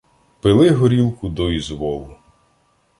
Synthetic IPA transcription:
pɪlˠɪɦɔɾʲilˠkʊd̪ɔizʋɔlˠʊ

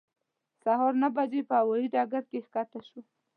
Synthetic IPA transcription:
saɦɑɾnabad͡ʒepəhawɑjiɖɑɡaɾkexkɑt̪aʃwa

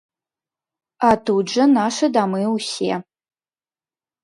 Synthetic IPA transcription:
atʰud͡ʒɐnaːʂɐdaːmɨwusḛː

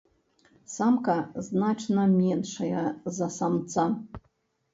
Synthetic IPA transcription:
samkaznaʈ͡ʂʰnamʲenʂajazasamt͡sʰʼa

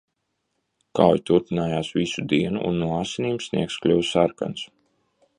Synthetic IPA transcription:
ka̰wjt̪uɾpinaːjaːsvisud̪iɛnuʔṵnːuaːsiniːmsnḭɛksklʲuwsaɾka̰ns

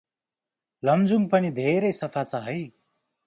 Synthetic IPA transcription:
lʌmd͡zuŋpʌnid̪ʱeɾʌjsʌpʰat͡sʰʌɦʌj

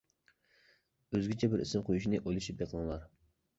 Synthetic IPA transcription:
øzɡʲit͡ʃʰɛbɪɾisɪmqʰojuʃ̬inɨʔojlˠuʃip̚jeqʰəlˠɨŋəlˠɑɾ

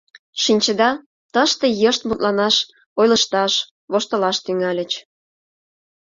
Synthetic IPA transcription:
ʃinʲt͡ɕə̆d̪ɑ | t̪əʃt̪ejəʃt̪̚mut̪lɑnɑʃ | ojlə̆ʃt̪ɑʃ | βoʃt̪ə̆lɑʃt̪yŋɑlʲə̆t͡ɕ

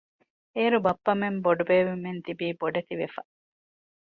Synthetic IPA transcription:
eːɾubɐpːɐmemboɖubeːʋimːent̪ibiːboɖet̪iʋefɐ

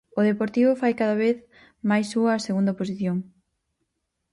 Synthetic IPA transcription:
ʊðepoɾt̪iβʊfajkaðaβ̞eθ | majsːuɐːseɣund̪ɐposiθjoŋ

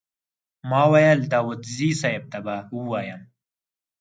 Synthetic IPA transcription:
mɑːwajald̪aːwud̪ziːsaeb̚t̪abauwaːjɐm

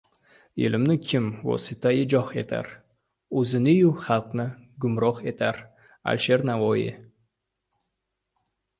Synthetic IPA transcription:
ḛlɪmnɪkʲʰɪmvɒ̰sɪt̪ʰajɪd͡ʒɒhe̞t̪ʰa̰ɾ | ɵzɪnɪjuχɑlˠqnɪɡʊmɾɒqe̞t̪ʰaɾ | a̰lʃe̞ɾnavɒjɪ̰

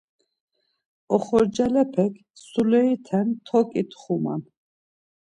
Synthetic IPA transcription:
ɔχɔɾd͡ʒɛlɛpʰɛkʰ | sulɛit̪ʰɛnt̪ʰɔkʼit̪ʰχuma̰n

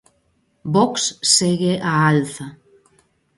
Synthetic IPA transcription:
bɔksːeɣeʔaalθɐ

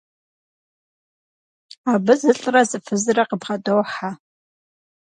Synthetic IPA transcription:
aːbɨzɨɬʼrɐzʼɨfɨzɨrɐqəbʁɐdowħa

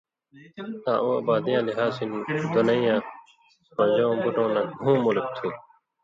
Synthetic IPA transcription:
t̪ã̰ːʔũːɐ̰baːd̪ijãːliɦaːsinid̪onɐĩjãː | mɐ̃d͡ʑõːbuʈõːnɐk̚ũːmulk̚t̪ʰi

